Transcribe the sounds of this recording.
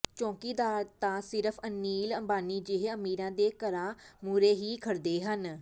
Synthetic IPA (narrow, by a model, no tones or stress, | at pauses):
t͡ʃɔ̃ːkiːd̪aːɾt̪ãːsɪɾəpʰənːiːləmbaːniːd͡ʒɪɦeəmiːɾãːd̪eːkəɾãːmuːɾeːɦiːkʰəɽd̪eːɦən